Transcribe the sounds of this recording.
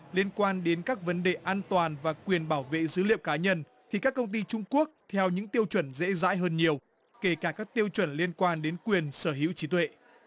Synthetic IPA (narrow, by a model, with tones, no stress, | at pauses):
li˧ənkwaː˧nɗe˨˦nkaː˦˥k̚və˨˦nɗe˨˩ʔaː˧nt̪waː˨˩nvaː˨˩kwi˨˩ənɓaː˧˩wvḛ˧˨zɨ˨˦lḭ˧˨əwkaː˨˦ɲə˧n | t̪ʰi˨˩kaː˦˥kːə˧wŋ͡mt̪i˧t͡ɕʊ˧ŋ͡mku˦˥ək̚t̪ʰɛ˧wɲɨ̰˧˥ŋt̪i˧əwt͡ɕwə˧˩nzɛ̰˧˥za̰ː˧˥jɦəː˧nɲi˨˩əw | ke˧˩kaː˧˩kaː˦˥k̚t̪i˧əwt͡ɕwə˧˩nli˧ənkwaː˧nɗe˨˦nkwi˨˩ənsəː˧˩ɦḭ˧˥wt͡ɕi˨˦t̪wḛ˧˨